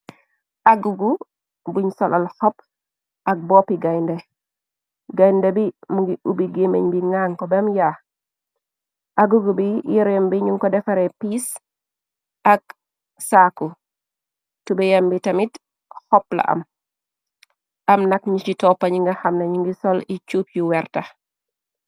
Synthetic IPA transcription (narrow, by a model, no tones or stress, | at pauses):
aɡuɡu | buɲsɔlʔalxɔp | ʔɐk̚bɔːpiɡajndɛ | ɡɐjndɛbimuŋɡiubiɡemḛɲbiŋaŋkɔbɛɐmjaː | ʔaɡuɡubijiɾembiɲuŋkɔdɛfɐɾɛpis | ɐk̚ | saku | tubɛjɐmbitɐmit | hɔplɐ̰ʔɐ̰m | ʔɐmnɐk̚ɲit͡ʃitɔpːɐɲiŋɡɐxɐmnɐɲiŋɡisɔlit͡ʃuːp̚juwɛɾtɐ